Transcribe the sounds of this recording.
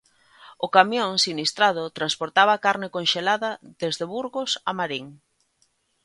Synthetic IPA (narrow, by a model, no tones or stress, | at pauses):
ʊkamjõŋsinist̪ɾaðʊt̪ɾanspoɾt̪aβakaɾnɪkonʃelaðɐðezðeβuɾɣʊsamaɾiŋ